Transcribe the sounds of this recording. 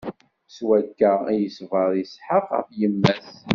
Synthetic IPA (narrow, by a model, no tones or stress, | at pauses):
swækːææjəsvəɾˤisħəqə̰fjəmːæθ